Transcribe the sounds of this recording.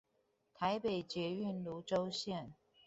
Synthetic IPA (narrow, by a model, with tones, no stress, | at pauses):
t̪ʰa˧˦ɪpe˨˩ɪt͡ɕjɛ˨˥y˥˨nlu˧˥ʈ͡ʂo˥˦ʊɕjɛ˥˨n